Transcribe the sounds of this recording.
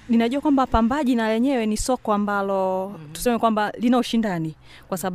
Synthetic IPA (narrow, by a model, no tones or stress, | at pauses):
ninaʄuakwambapambaʄinalɛɲɛwɛnisɔkɔambalɔtu̥sɛmɛkwambalinauʃindani | kwasaɓ